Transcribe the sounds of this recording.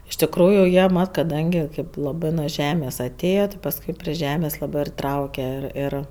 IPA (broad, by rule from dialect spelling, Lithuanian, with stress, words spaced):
ɪʃ tʲɪkˈruːjʊ ˈjiɛ ˈmɐt kɐˈdɐŋʲɡʲɪ ˈkɐɪp lˠɐˈbɜ nʊ ˈʒʲæːmʲeːs ɐˈtʲeːjɛ tʲɪ pɐsˈkʊɪ pʲrʲɪ ˈʒʲæːmʲeːs ˈlˠɑːbɜ ɪr ˈtrɐʊkʲɛ ɪr ˈɪr